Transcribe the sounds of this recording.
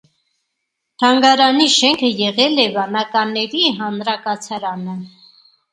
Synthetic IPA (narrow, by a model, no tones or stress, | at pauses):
t̪ʰɑŋɡɑɾɑniʃɛŋkʰəjɛʁɛlɛvɑnɑkɑnːɛɾiɦɑnɾɑkɑt͡sʰɑɾɑnə